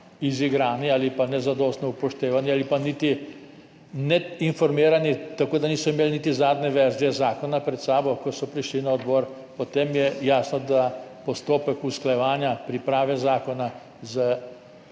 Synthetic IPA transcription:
iziɡɾaːniaːlipanɛzad̪ɔst̪nɔupɔʃt̪eːʋanialipanit̪i | nɛinfɔɾmiːɾanit̪akoːd̪aniːsɔimeːlnit̪izaːd̪nɛʋɛɾziɛzaːkɔnapɾɛt̪saːbɔkɔsɔpɾiʃlinaɔd̪bɔːɾ | pɔt̪eːmjɛjaːsnɔd̪apɔst̪oːpəkusklajɛʋaːnjapɾipɾaːʋɛzaːkɔna | za

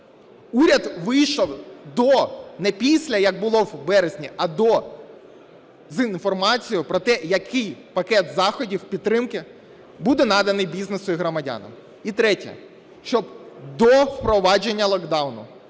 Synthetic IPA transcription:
uɾʲɐd̪ʋɪjʃɔwd̪ɔnɛpʲisʲlʲɐjɐɡ̚bʊlˠɔwbɛɾezʲnʲiɐd̪ɔ | zinfɔrmɑt͡sʲijʊpɾɔt̪ɛjɐkʰɪjpɐkɛt̪zɑxɔdʲiwpʲit̪ːɾɪmkɪ | bud̪ɛnɑd̪ɐnɪjbʲiznesʊiɦɾɔmɐdʲa̰nɐ̰m | it̪ɾɛtʲɛ̰ | ʃt͡ʃɔbd̪ɔwpɾɔʋɑd͡ʒe̞nʲːɐlˠɔɡd̪ɑwnʊ̰

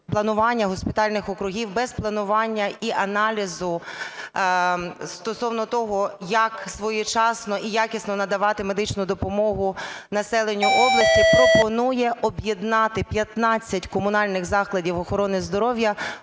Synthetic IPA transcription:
plˠɐnʊʋɑnʲːɐɦɔspʲɪt̪ɑlʲnɪxɔkɾʊɦʲiwbɛzplˠɐnʊʋɑnʲːɐiʔɐnɑlʲizʊ | st̪ɔsɔwnɔt̪ɔɦɔjɐksʋɔjɛt͡ʃɑsnɔʔijɑkʲɪsnɔnɐd̪ɐʋɑt̪ɪme̞d̪ɪt͡ʃnʊd̪ɔpɔmɔɦʊnɐsɛlˠenʲːʊʔɔblˠɐsʲtʲipɾɔpɔnujɛʔɔbjed̪nɑt̪ɪpʲjɐt̪nɑt͡sʲːɐtʲkɔmʊnɑlʲnɪxzɑklˠɐdʲiwɔxɔɾɔnɪzd̪ɔɾɔwjɐ

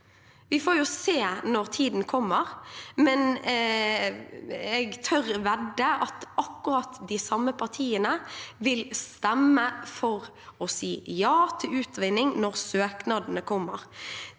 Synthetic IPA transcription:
ʋɪfoːjʊseːnɔɾt̪ʰiːd̪n̩kʰɔmːəʁmɛn | ɛɡt̪ʰœɾʋɛd̪ːəʔɑt̪ɑkːʉɾɑt̪ːd̪ɪsɑmːəpʰɑʁt̪ʰiːənəʋɪlst̪ɛmːəfɔʁ | ɔsiːjɑːt̪ʰɪʉːt̪ʋɪnɪŋnɔʁsøːknɑːd̪nəkʰɔmːəɾ

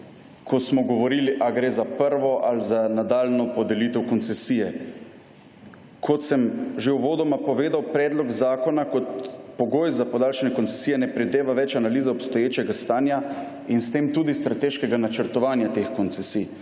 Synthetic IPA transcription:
kʰɔsmɔɡɔʋɔɾiːliʔaɡɾeːzapəɾʋɔʔalzanad̪aːlnɔpɔd̪ɛliːt̪ɛwkɔnt̪sɛsiːjɛ | kʰɔt̪sɛmʒewʋoːd̪ɔmapɔʋeːd̪awpɾɛːd̪lɔɡzaːkɔnakɔt̪pɔɡoːjzapɔd̪aːlʃɛnɛkɔnsɛ̥siːjɛnɛpɾɛd̪eːʋaʋɛt͡ʃanaliːzɛɔpst̪ɔjeːt͡ʃɛɡast̪aːnja | inst̪eːmt̪uːd̪ist̪ɾat̪eːʃkɛɡanat͡ʃəɾt̪ɔʋaːnjat̪exkont̪sɛsij

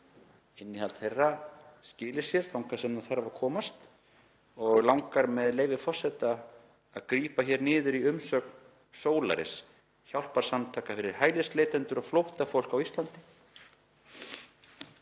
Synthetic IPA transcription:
ɪnːɪhalt̪θejrːascɪːlɪsjɛɾ̥θawŋkḁsɛmnaθaravaɾkʰɔːmast̪ | ɔɣlawŋkaɾmɛðleːjvɪfɔr̥sɛt̪aː | ðkɾiːpaçɛɾnɪːðʏɾiʏmsœːk̚n | soːwla̰ɾɪ̰s | çawl̥paɾ̥samt̪ʰaːkafɪɾɪɾ̥haːjlɪst̪lejt̪ɛnt̪ʏɾaflowht̪afowl̥kawist̪lant̪ɪ̥

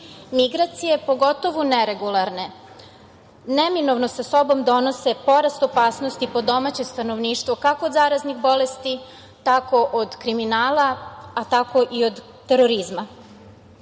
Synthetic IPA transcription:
miɡɾat̪sije̞po̞ɡo̞t̪o̞ʋuneɾeɡulˠaɾne̞ | neminoʋnosaso̞bo̞md̪o̞nose̞po̞ɾast̪o̞paːsnost̪ipo̞d̪o̞mat͡ɕest̪anoʋniːʃt̪ʋokakoːd̪zaːɾazniɣbo̞lest̪i | t̪ako̞ʔod̪kɾiminaːlaat̪ako̞ʔiod̪ːeɾoɾizma

